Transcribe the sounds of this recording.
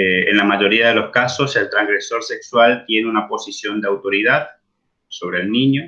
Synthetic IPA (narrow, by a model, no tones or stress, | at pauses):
ḛnlamaʝo̞ɾiaðe̞lo̞skaso̞se̞lt̪ɾaŋɡɾe̞so̞ɾse̞kswalt̪je̞neunapo̞sisjo̞nd̪eawt̪o̞ɾiðað | so̞βɾe̞ːlnĩɲo